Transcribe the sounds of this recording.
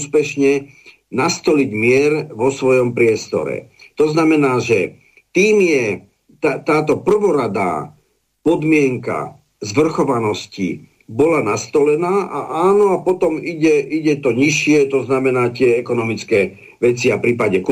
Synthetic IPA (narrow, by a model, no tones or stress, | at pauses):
spɛʃɲɛ | nast̪ɔliɟmɪɛɾʋɔsʋɔjɔmpɾɪɛst̪ɔ̰ɾɛ̰t̪ɔznamɛnaːʒɛ | t̪iːmjɛ | t̪at̪aːt̪ɔpr̩ʋɔɾad̪a̰ː | pɔd̪mɪɛŋka̰ | zʋr̩xɔʋanɔscḭ | bɔlanast̪ɔlɛnaːʔa̰ʔaːnɔapɔt̪ɔmiɟɛʔiɟɛt̪ɔɲiʃɪɛt̪ɔznamɛnaːt̪ɪɛɛkɔnɔmit͡skɛː | ʋɛt͡siapɾiːpaɟɛk